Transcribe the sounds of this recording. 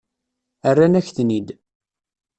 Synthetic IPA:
ərːanæçθnid̪

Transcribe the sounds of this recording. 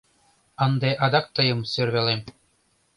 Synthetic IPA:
ɤ̆nd̪eʔɑd̪ɑk̚t̪ɤ̆jɤ̆msørβʲelem

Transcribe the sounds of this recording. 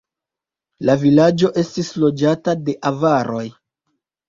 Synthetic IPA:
lavilad͡ʒo̞ʔe̞stislo̞d͡ʒatade̞ʔavaɾʔo̞j

